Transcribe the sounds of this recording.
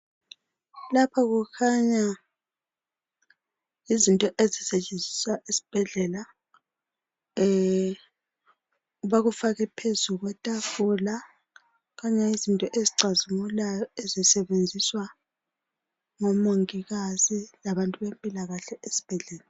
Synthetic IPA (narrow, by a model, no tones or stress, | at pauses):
lapʰaɣukʰaɲa | izintʼɔʔezisɛt͡ʃʼend͡zʱisaʔisi̥b̥ʱɛɮɛla | uβaɣufaɣɛpʰezuɣwɛtʼafɔla | ɣaɲaizintʼɔʔeziǀʱazimulajɔezisɛβend͡zʱiswa | ŋɔmoŋiɣazilaβantʼuβempʼilaɣaɬɛʔesi̥b̥ʱɛɮɛːla